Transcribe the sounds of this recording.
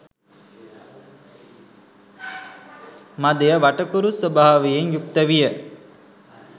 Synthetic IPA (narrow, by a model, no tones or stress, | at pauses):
mad̪ejəʋaʈəkuɾusʋəbaaʋejeŋjukt̪əʋijə